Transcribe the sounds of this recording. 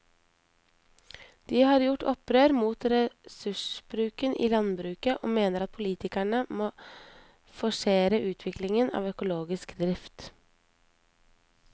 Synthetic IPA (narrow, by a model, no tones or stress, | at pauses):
d̪̥iːhɑːɾjʊʈʰɔpɾøːɾmuːt̪ɾɛsʉʂb̥ɾʉːkənʔḭːlɑnbɾʉːkəʔo̰ːmeːnəɾɑt̪̚pʰʊliːt̪ɪkæɳəmoː | fɔʂeːɾəʔʉːt̪ʰʋɪklɪŋənɑ̰ːʋœkʊloːɡɪskd̪ɾɪft̪